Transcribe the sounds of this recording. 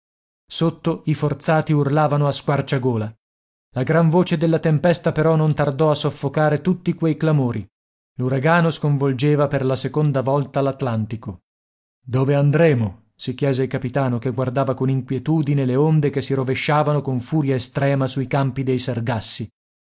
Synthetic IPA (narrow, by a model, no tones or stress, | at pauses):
sot̪ːoifort̪saːt̪iurlaːvanoaskwart͡ʃaɡoːla | laɡɾaɱvoːt͡ʃed̪elːat̪empɛst̪apeɾɔnont̪ard̪ɔasːofːokaːɾet̪ut̪ːikwejklamoːɾi | luɾaɡaːnoskoɱvold͡ʒeːvaperlasekond̪avɔlt̪alat̪lant̪iko | d̪oːveand̪ɾeːmo | sikjɛːzeilkapit̪aːnokeɡward̪aːvakoniŋkwjet̪uːd̪ineleond̪ekesːiɾoveʃːaːvanokoɱfuːɾjaest̪ɾɛːmasuikampid̪ejserɡasːi